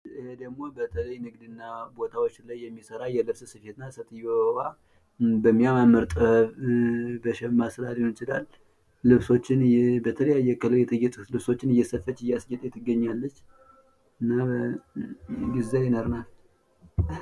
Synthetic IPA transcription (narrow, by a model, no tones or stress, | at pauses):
hed̪əɡmo̞bət̪ʰələjnɨɡd̪ɨnːabo̞t̪ʰawo̞t͡ʃːlajːɛmːisəɾajɛd̪ɨɾsɨsɨfet̪nasət̪ʰɨjowa | bəmːijamamːəɾt̪ʼə | bəʃɛmasɨd̪alihnɪt͡ʃɪlalː | ɨβso̞t͡ʃːɪnbət̪ʰələjajːɛkələjɛt̪ʰɨjɛt̪ʼlɨβso̞t͡ʃːɪnɨjːɛsəfət͡ʃːɨjːasjɛt̪ʼjɛt̪ʰɨɡːəɲːalːət͡ʃː | ɨnːa | ɡɨzajɪnəɾnal